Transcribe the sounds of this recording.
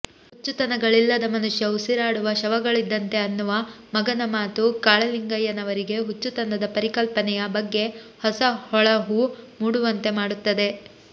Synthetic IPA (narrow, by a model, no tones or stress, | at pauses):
hut͡ʃːut̪ɐnɐɡɐɭilːɐd̪ɐmɐnuʂjɐusiɾaːɽuʋɐʃɐʋɐɡɐɭid̪ːɐnt̪e̞ɐnːuʋɐmɐɡɐnɐmaːt̪ukaːɭɐliŋɡɐjːɐnɐʋɐɾiɡe̞ɦut͡ʃːut̪ɐnɐd̪ɐpɐɾikɐlpɐnɛjɐbɐɡːe̞hɔsɐhɔɭɐɦuːmuːɽuʋɐnt̪e̞maːɽut̪ːɐd̪e̞